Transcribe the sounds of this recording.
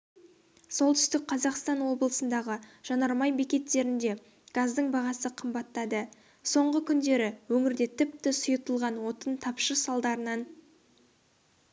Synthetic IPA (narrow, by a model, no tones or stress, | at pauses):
so̞lˠt̪ʰʏ̥st̪ɪk̚qʰɑzɑqst̪ɑnwo̞bəlˠəsənd̪ɑʁəʒ̥ɑnɑɾmɑjbekʲe̞t̪ːe̞ɾɪnd̪e̞ | ɡ̥azd̪əɴbɑʁɑsəqʰəmbɑt̪ːɑd̪ə | so̞ɴʁəkʲʰʏnd̪e̞ɾɪwɵŋɪɾd̪e̞t̪ʰɪp̚t̪ɪsʊjət̪əlˠʁɑnwo̞t̪ənt̪ʰɑpʃəsɑlˠd̪ɑɾənɑn